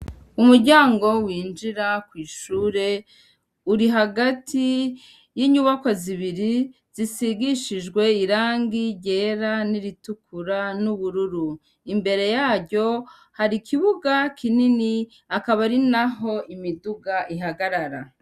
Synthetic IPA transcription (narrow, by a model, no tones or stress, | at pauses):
umuɾɟaːŋɡo̞wiːnd͡ʒiɾakwiːʃuːɾe̞ | uɾiɦaɡatʰi | jiɲuβakoziβiɾi | z̥isiɡiʃiʒɡwe̞iɾaːŋɡiɟe̞ːɾaniɾitukʰuɾanuβuɾuɾu | imbe̞ɾe̞jaːɾɟo̞ | haɾikʰiβuɡakʰinini | akaβaɾinaɦo̞ʔimiduɡaʔiɦaɡaɾaɾa̰